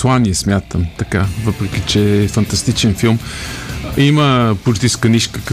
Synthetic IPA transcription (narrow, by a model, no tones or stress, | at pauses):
swanjɐsmjat̪ɐmt̪ɐkavɐpɾkit͡ʃɛfɐ̃nt̪ɐst̪it͡ʃẽfilˠm | imɐpuɾt̪iskɐniʃkɐk